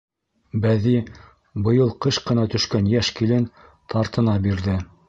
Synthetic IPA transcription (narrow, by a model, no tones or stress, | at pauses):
bæði | bɤ̆jɤlˠqɤʃqɤ̆nɑt̪ɵ̆ʃkænjæʃkilɘn | t̪ʰɑɾt̪ɤ̆nɑbiɾðɘ